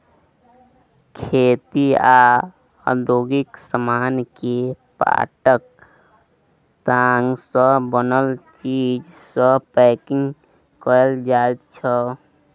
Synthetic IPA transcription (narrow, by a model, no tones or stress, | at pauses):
kʰet̪ia | ə̰d̪oɡiksəmankepa̰ʈək̚ | t̪aŋɡsə̃bənəlt͡ʃid͡ʒ | sə̃pɛkiŋ | kəld͡ʒaet̪t͡ʃʰə